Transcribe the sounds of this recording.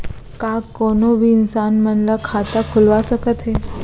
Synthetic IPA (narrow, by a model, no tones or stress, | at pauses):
kakːonoʋinsanmənlakʰat̪akʰulʋaʃəkət̪ʰe